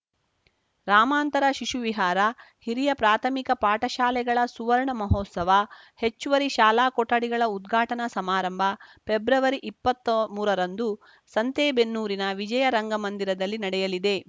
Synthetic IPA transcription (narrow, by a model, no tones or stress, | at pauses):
ɾaːmaːnt̪ɐɾɐʃiʃuʋiɦaːɾɐhiɾijɐpɾaːt̪ʰɐmikɐpaːʈɐʃaːlɛɡɐɭɐsuʋɐɾɳɐmɐɦoːt̪sɐʋɐ | he̞t͡ʃːuʋɐɾiʃaːlaːkɔʈːɐɽiɡɐɭɐud̪ɡʱaːʈɐnɐsɐmaːɾɐmbʱɐpebɾɐʋɐɾiʔipːɐt̪ːɐmuːɾɐɾɐnd̪u | sɐnt̪eːbenːuːɾinɐʋid͡ʒɐjɐɾɐŋɡɐmɐnd̪iɾɐd̪ɐlːinɐɽɛjɐlid̪e̞